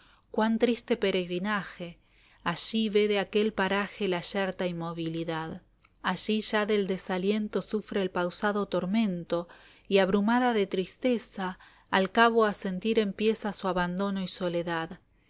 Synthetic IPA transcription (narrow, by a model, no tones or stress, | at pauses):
kwant̪ɾist̪e̞peɾe̞ɣɾinaxe | aʒiβeðeakelpaɾaxelaʃeɾt̪aimo̞βiliðað | aʒiʒaðeld̪esalje̞nt̪o̞sufɾeːlpawsaðot̪o̞ɾmẽ̞nt̪o̞ | iaβɾumaðaðet̪ɾist̪esaː | lkaβoase̞nt̪iɾe̞mpje̞sasuaβand̪o̞no̞iso̞leðað